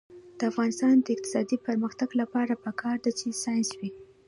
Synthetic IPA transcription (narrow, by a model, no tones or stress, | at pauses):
d̪̥əafɣɑnɪst̪ɑnd̪əɪq̚t̪ɪ̥sɑd̪ipəɾməxt̪aɡlapɑɾapəkʰɑɾd̪at͡ʃesɑjnswi